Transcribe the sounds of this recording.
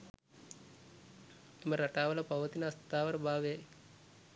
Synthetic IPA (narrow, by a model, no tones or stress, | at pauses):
t̪oməɾɐʈaːʋɐlɐpɐʋət̪inɐst̪aːʋɐɾbʱaːʋe